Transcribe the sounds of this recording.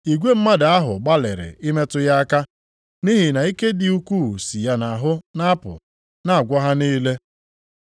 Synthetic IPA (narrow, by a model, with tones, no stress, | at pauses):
i˨ɡʷe˦m̩˦ma˦da˨a˦ɦʊ̰˨ɡ͡ba˦lɪ̰˨ɾɪ̰˨ʔɪ˦me˦tʊ˦ja˦a˦ka˦ | ni˦ɦɪ˨na˨i˦ke˦dɪ˨u˦kʷu˦˨si˨ja˦na˨ɦʊ˦na˦a˦pʊ̰˨ | na˦a˨ɡʷɔ˦ɦa˦niː˦le˦